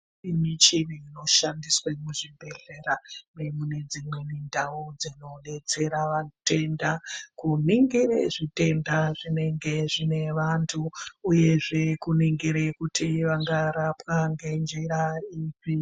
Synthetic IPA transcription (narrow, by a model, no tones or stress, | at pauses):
imit͡ʃiniːno̞ʃandiswemuʐibʱe̞ɮeɾanemune̞d͡zimwe̞nindaod͡zino̞ɗe̞t͡se̞ɾaʋate̞ndakuniŋɡiɾḛʐite̞ndaʐine̞ŋɡe̞ʐine̞ʋantʰuːje̞ʐe̞kuniŋɡiɾekutʰiʋaŋɡaɾapwaŋɡe̞nd͡ʒiɾaipi